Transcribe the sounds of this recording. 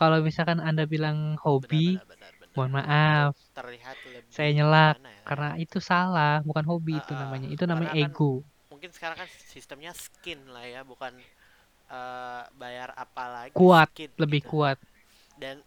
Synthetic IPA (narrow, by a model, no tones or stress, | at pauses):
kalawbisakanandabilaŋhobi | buanmaʔaft̪ərliɦat̪sajaɲəlakːarnait̪usalahbukanɦobiːt̪unamaɲait̪unamaɲa̰ʔeɡo | muŋkɪnsə̥kaɾaŋkan | sist̪əmɲasə̥kɪnlahjabukan | əbajara̰palakuat̪̚ləbɪhkuat̪̚ | dan